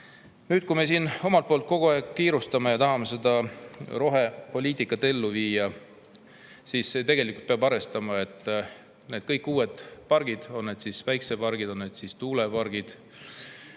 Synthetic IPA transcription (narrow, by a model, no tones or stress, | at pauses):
nyːdt̪̚kume̞siːno̞mɑlt̪̚poːlt̪̚ko̞ɡ̥oɑeɡkiːɾust̪ɑme̞jɑt̪ɑɦɑmese̞d̪̥ɑɾo̞ɦe̞po̞lʲiːt̪ikːˑɑt̪ːe̞lːuviːjɑ | siːsːet̪eɡ̥e̞likːˑult̪peɑbɑɾe̞st̪ɑmɑe̞t̪ːˑ | ne̞ːd̪̥̚kɤjkːuːe̞d̪̥pɑrɡ̥id̪̥o̞nne̞ːd̪̥sisvæjksepɑɾrɡ̥id̪̥o̞nne̞ːd̪̥sist̪uːlepɑrɡ̥id̪̥